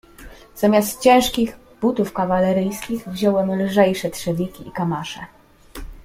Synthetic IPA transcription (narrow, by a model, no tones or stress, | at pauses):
z̥amʲjast̪t͡ɕɛ̃w̃ʂkʲiɣ | but̪ufkavalɛɾɘjskʲiɣvʑɔwɛmlʐɛjʂɛtʂɛvʲikʲiikamaʂɛ